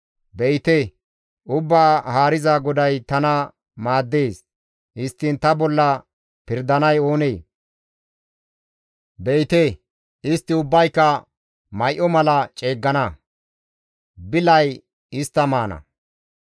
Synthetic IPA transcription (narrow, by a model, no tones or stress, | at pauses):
bɛjt̪e | ʔʊbːaːhaːɾɪzaɡɔd̪ɐjt̪ɐnɐ | maːd̪ːe̞ːs | ʔɪst̪ːɪnt̪ɐbɔlːɐ | pɪɾd̪ɐnɐjo̞ːneː | bejt̪e | ɪst̪ːɪʊbːɐjkːɐ | mɐjʔɔmɐlɐt͡ʃʼe̞ːɡːɐnɐ | bɪlɐj | ɪst̪ːɐmaːnɐ̰